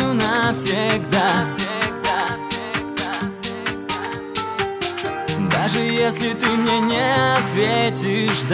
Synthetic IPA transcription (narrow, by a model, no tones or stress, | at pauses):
ʊnɐfsʲeɪɡd̪afsʲɪɡd̪afsʲɪɡ̚d̪aɡd̪a | d̪aʐɨjesʲlʲɪt̪ɨmnʲenʲeɐt̪vʲetʲɪʂd̪